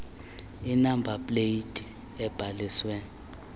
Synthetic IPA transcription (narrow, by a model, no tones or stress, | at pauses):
inambʱapʼleidʱʼi | ɛb̥ʱalisweːni